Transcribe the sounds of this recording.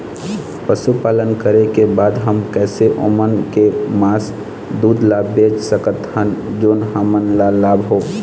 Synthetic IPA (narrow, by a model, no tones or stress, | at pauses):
pəʃupaːlənkəɾekebaːd̪ɦəmkɛːseʔo̰ːmənkemaːs | d̪uːd̪ʱlaːbbeːd͡ʒsəkət̪hənd͡ʒoːnɦaːmənlalaːbɦoː